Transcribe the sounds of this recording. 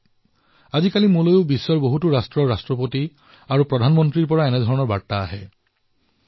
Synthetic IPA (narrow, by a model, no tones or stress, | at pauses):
azikalimulojʊbisːɔɹboɦutuɹastɹɔɹɹastɹɔpoti | aɹupɹɔdʱanmɔntɹiɹpɔɹaɛnɛdʱɔɹɔnɔɹbatːaːɦɛ